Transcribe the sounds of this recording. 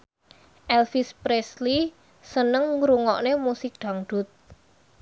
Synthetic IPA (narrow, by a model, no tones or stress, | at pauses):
ʔɛlfispɾesli | sənəŋɾuŋɔʔnemusɪk̚ɖ̪̥a̤ŋɖ̪̥ʊ̤t̪̚